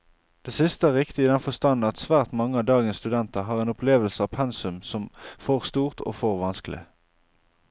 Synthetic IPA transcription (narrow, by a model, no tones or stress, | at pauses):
d̪̥eːsɪst̪əæːʁɪkt̪ɪiːd̪ɛnfɔst̪ɑnn̩ɑt̪sʋæːʁt̪mɑŋːəɑd̪ɑːɡənst̪ʉd̪ɛnt̪əʁɦɑːʁeːnɔpleːʋəlsəɑːʋpʰɛnsʉmsɔmfoʁst̪uːʁt̪o̰ːfɔʁʋɑnsklɪ̰